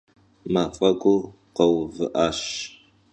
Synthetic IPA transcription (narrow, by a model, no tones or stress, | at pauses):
maːfʼɐɡʷʊ | qɐwvɨʔaːɕ